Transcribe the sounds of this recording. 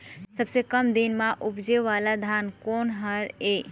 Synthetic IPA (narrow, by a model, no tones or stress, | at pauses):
səbsekəmd̪inmãʔupd͡ʒeʋalad̪ʱankonɦəɾe